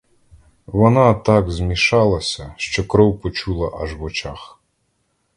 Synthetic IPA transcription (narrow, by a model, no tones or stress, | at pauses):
ʋɔnɑt̪ɑɡzmʲiʃɑlˠɐsʲɐʃt͡ʃɔkɾɔwpɔt͡ʃulˠɐʔɐʒwɔt͡ʃax